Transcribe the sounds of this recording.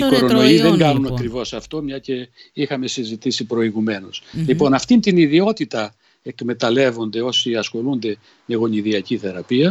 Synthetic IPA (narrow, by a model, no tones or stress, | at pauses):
iko̞ɾo̞no̞iðe̞ŋɡɐnunɐkɾivo̞sɐft̪o̞mɲɐce̞ixɐme̞sizit̪isipɾo̞iɣume̞no̞slipo̞nɐft̪int̪iniðio̞t̪it̪ɐ | e̞kme̞t̪ɐle̞vo̞nd̪e̞o̞siɐsxo̞lund̪e̞ | me̞ɣo̞niðiɐciθe̞ɾɐpiɐ